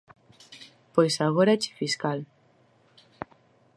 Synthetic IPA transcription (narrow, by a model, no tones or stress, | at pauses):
pojsaɣoɾat͡ʃi̥fiskal